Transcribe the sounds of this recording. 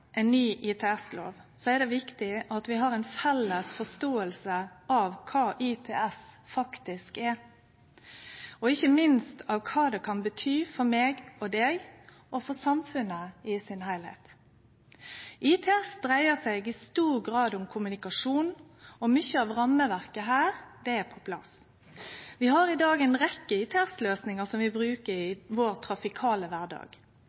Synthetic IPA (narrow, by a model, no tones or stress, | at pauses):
ʔɛɪnnːyːʔɪt̪ʰɛːɛslo̰ːʋ | sɔɛɾd̪ɛʋɪkt̪ɪʔɑt̪ʋɪɦɑːɾɛɪnfɛlːəsfɔst̪oːəlsəʔɑʋkʰɑːʔit̪ʰɛ̰ɛsfɑkt̪ɪskɛ | ɔɪçəmɪnst̪ʰɑːʋkʰɑːd̪ɛkʰɑnbət̪ʰyːfɔɾmeːɡɔd̪eːɡ | ʔɔfɔsɑmfʉnəɪsɪnhæɪlhɛ̰t̪ | ʔiːt̪ʰɛɛsd̪ɾæɪəsɛɡɪst̪uːɾɡʁɑːd̪ʊmkʰʊmʉnɪkɑʂuːn | ɔmʏçəɑːʋʁɑmːəʋæʁkəɦæːʁd̪ɛæpʰɔpʰlɑ̰s | ʋɪhɑɾɪd̪ɑːɡæɪnʁɛkːəiːt̪ʰɛɛsløːsnɪŋəsɔmʋɪbɾʉːkəɾɪʋoːʁt̪ʰɾɑfɪkʰɑːləʋæʁd̪ɑ̰ːɡ̥